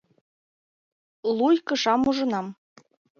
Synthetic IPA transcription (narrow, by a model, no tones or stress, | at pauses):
lˠujkɤ̆ʃɑmuʒɤ̆nɑm